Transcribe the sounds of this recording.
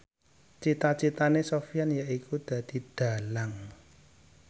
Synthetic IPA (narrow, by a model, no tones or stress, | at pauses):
t͡ʃit̪at͡ʃit̪anesofijanjaʔikud̪̥ä̤d̪̥i̤d̪̥a̤laŋ